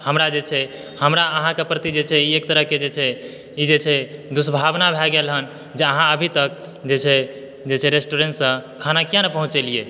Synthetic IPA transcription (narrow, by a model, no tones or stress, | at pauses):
həmɾad͡ʒet͡ʃʰɛ | həmɾaəɦãkepɾət̪id͡ʒet͡ʃʰɛiekt̪əɾəɦked͡ʒet͡ʃʰɛ | id͡ʒet͡ʃʰɛd̪usbʱabnabʱɛɡelɦən | d͡ʒeəɦãəbʱit̪ək̚ | d͡ʒet͡ʃʰɛ | d͡ʒet͡ʃʰɛɾesʈuɾeɳʈsə̃kʰanakijãnepəɦũt͡ʃelie